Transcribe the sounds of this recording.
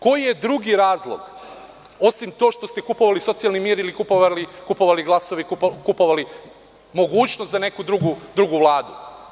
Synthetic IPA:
ko̞jijed̪ɾuɡiɾaːzlˠo̰ɡ | o̞simt̪o̞ːʃt̪ost̪e̞kupo̞ʋaliso̞t̪sijalnimiːɾilikupoʋalikupo̞ʋaliɡlˠaso̞ʋekukupo̞ʋali | mo̞ɡuːt͡ɕnost̪zane̞kud̪ɾuɡud̪ɾuɡuʋlˠaːd̪u

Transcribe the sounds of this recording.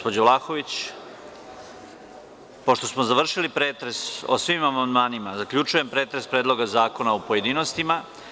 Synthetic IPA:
pod͡ʑoʋlˠaxo̞ʋit͡ɕ | poʃt̪o̞smozaʋr̩ʃilipɾeːt̪ɾe̞so̰sʋimamand̪maːnimazakʎut͡ʃuje̞mpɾe̞ːt̪ɾe̞spɾe̞ːd̪lˠo̞ɡazaːko̞naopoje̞d̪ino̞st̪ima

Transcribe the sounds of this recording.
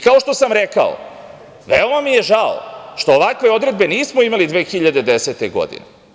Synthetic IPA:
kao̞ʃt̪o̞samɾeka̰o̰ | ʋeo̞mamije̞ʒao̰ʃt̪oːʋakʋe̞o̞d̪ɾe̞d̪be̞niːsmoimalid̪ʋeːxiʎad̪ed̪eset̪eɡo̞̰d̪ḭne

